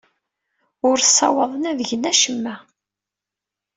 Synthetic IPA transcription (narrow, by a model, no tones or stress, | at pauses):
ʊɾsˤːɑ̰wəðˤənævəʝənæʃəmːæ